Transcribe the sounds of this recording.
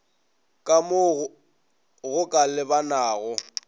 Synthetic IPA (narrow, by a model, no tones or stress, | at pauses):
kʼamʊ | ɣʊkʼalɪbanaːɣɔ